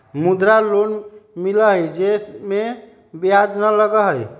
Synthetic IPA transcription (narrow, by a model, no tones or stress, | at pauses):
mud̪ɾalonmiləɦəjd͡ʒesme | biad͡ʒnələɡəɦəj